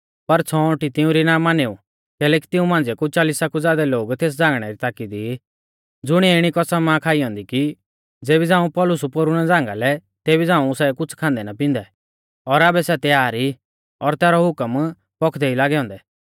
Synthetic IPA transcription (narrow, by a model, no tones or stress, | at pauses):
pɐɾt͡sʰɔɔ̃ʈit̪ɪũɾinaːmaneu | kɛːlɛːki̥t̪ɪ̃ũmãːnd͡zɛkut͡ʃaːlisakud͡zaːd̪ɛloːɡt̪eːs̬d͡zãːŋɡɽ̃ɛɾit̪aːkid̪i | d͡zʊɽ̃iɪɽ̃ikɔsamãkʰaːiɦɔ̃ːnd̪iki | d͡zeːbid͡zãːũpɔːlʊsupoːɾʊɽ̃ɛd͡zãːŋɡalɛ | t̪eːbid͡zãːũsɛkʊt͡sʰkʰãːnd̪ɛnapɪ̃nd̪ɛ | ɔɾaːbɛsɛt̪ɛaːɾi | ɔɾt̪ɛːɾɔɦʊkəm | pɔkʰd̪ɛilaːɡɛɦɔ̃ːnd̪ɛ